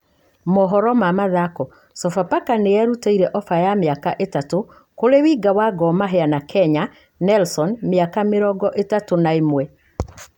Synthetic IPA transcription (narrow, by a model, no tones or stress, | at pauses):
mɔɦɔɾɔmamaðakɔ | sɔfapakanejɛɾutaiɾɛʔɔfajameakaʔetato | koɾewiːɡawaɡɔmaɦɛanakʰɛɲa | nɛlsɔnmjakameɾɔɡɔʔetatonaemwɛ